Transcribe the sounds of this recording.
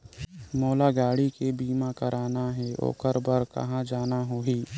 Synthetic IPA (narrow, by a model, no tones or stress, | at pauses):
moːlaɡaːɽikebiːmakəɾʔaːnaɦɛʔo̰ːkəɾbəɾkɐ̰ɦãd͡ʒaːnaɦoːiː